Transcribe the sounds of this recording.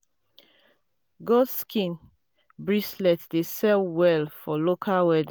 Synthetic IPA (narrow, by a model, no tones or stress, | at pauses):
ɡɔdskʰĩn | bɹislɛtdesɛlwɛlfɔlokʰalwɛdĩ